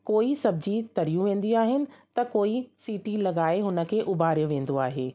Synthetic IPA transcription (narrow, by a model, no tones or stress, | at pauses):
koːisɐbʱɪd͡ʑit̪ɐɾijũʋẽːn̆d̪iaːɦɪnɪ̆t̪ɐkoːisiːʈilɐɠaːeɦʊnə̆kʰeːʔʊbʱaːɾjəʋẽːn̆d̪oaːɦeː